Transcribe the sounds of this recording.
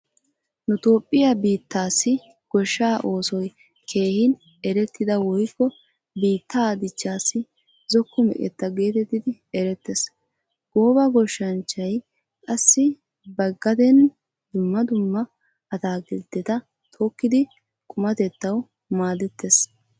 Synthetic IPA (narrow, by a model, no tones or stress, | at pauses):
nʊt̪o̞ːpʼːɪjabiːt̪ːaːsːɪ | ɡ̥ɔʃːaːʔo̞ːsɔj | kʰe̞ːhɪn | ɛɾɛt̪ːɪd̪ɐwɔjkːɔ | biːt̪ːad̪ɪt͡ʃːaːsːɪ | zɔkːʊmɛ̰kʼɛ̰t̪ːɐɡe̞ːt̪ɛt̪ːɪd̪ɪ | ɛɾɛt̪ːɛs | ɡ̥o̞ːbɐɡɔʃːɐnt͡ʃːɐj | kʼɐsːɪ | bɐɡːɐd̪ɛn | d̪ʊmːɐd̪ʊmːɐ | ɐt̪aːɡɛld̪ɛt̪ɐ | t̪ʰʼoːkːɪd̪ɪ | kʼʊmɐt̪ɛt̪ːɐw | maːd̪ɛt̪ʰːes